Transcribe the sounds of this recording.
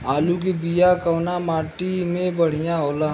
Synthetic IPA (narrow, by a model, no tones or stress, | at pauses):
aːluk̬ibijakɐːnamaːʈimẽbɐɽ̤ijãoːla